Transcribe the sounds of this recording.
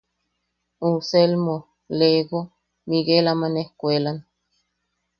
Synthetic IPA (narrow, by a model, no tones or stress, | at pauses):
uselmo | leɣo | miɡelamanehkʷelan